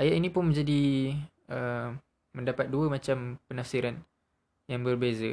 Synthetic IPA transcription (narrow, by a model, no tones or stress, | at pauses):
ʔajaʔinĩpʊnmə̃ɲd͡ʒadi | ə | mə̃ndapat̪̚duəmãt͡ʃampənafsiɾan | jaŋbərbezə